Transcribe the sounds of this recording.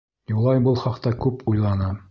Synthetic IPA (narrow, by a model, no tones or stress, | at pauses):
julˠɑjbɤlˠχɑqt̪ɑkʉpujlˠɑnɑ